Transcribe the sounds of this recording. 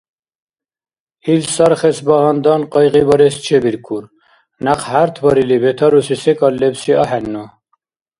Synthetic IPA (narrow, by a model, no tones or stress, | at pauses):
hilsɑɾχesbɑʁɑnd̪ɑnqɔjʁibɑɾest͡ʃʰebiɾkʰuɾ | naqhaɾt̪ʰbɑɾilibet̪ʰɑɾusisekɑlːebsiɑħɛnːo